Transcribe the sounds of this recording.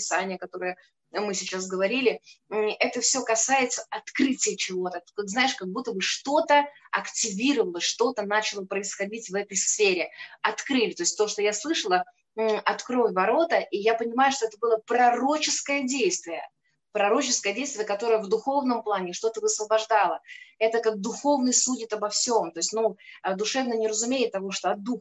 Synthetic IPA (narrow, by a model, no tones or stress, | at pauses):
ɪsanʲɪjəkɐt̪o̞ɾɨjə | mɨsʲɪt͡ɕas̬ɡəvɐɾʲilʲɪɛt̪əfsʲo̞kɐsajɪt̪səɐt̪kɾɨtʲɪjət͡ɕɪvo̞t̪əkakznajɪʂkɐɡ̚but̪ːəbɨʂt̪o̞t̪ə | ɐktʲɪvʲiɾəvəlˠəsʲʂt̪o̞t̪ənat͡ɕɪlˠəpɾəɪsxɐdʲitʲvɛt̪əjsfʲeɾʲɪɐt̪kɾɨlʲɪt̪o̞ɪstʲt̪o̞ʂt̪o̞jaslˠɨʂəlˠə | ʔɐt̪kɾo̞fʲvɐɾo̞t̪əʔijapənʲɪmajʊʂt̪o̞ɛt̪əbɨlˠəpɾɐro̞t͡ɕɪskəjədʲejst̪vʲɪjə̰ | pɾɐɾo̞t͡ɕɪskəjədʲejst̪vʲɪjəkɐt̪o̞ɾəjəvd̪ʊxo̞vnəmplˠanʲɪʂt̪o̞t̪əvəsvəbɐʐd̪alˠəɛt̪əkaɡ̚d̪ʊxo̞vnɨjsudʲɪt̪əbɐfsʲo̞mt̪o̞ɪsʲtʲnud̪ʊʂɛvnənʲɪɾəzʊmʲejɪt̪ːɐvo̞ʂt̪o̞ɐd̪ux